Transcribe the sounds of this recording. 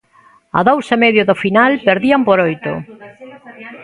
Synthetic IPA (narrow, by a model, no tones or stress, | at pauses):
a̰ðowsemɛðjoðofinalpeɾðiampoɾojt̪ʊ̰